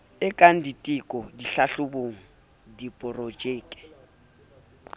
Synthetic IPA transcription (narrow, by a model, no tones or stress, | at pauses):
ɪkʼaŋ̩ditʼɪkʼɔdiɬaɬʊboːŋ̩ | dipʼɔrod͡ʒeːkʼɛ̥